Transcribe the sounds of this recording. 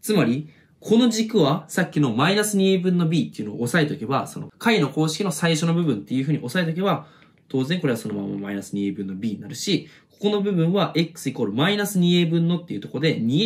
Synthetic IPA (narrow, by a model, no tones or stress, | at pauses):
t͡sɨmaɾʲi | kʰo̞no̞ʑikɯ̟βasakʲːino̞mainasɨɲ̟ʲieːbɯ̟̃nːo̞bʲiːt̪ːe̞iɯ̟noo̰ːsae̞t̪okebaso̞no̰kʰaino̞ko̞ːɕi̥kʲino̞saiɕo̞no̞bɯ̟bɯ̟̃nt̪ːe̞jɯ̟ɸɯ̟ɲ̟io̞saet̪ok̬e̞βa | t̪o̞ːzẽ̞ŋko̞ɾeaso̞no̞ma̰mːa̰mainasɨɲ̟iebɯ̟̃nːo̞bʲiːɲ̟inaɾɯ̟ɕiko̞̥ko̞no̞bɯ̟bɯ̟̃ɰ̃βaʔe̞kɯ̥sɨiko̞ːɾɯ̟mainasɨɲ̟ie̞ːbɯ̟̃nːo̞t̪ːe̞jɯ̟t̪o̞kod̪e̞ɲ̟i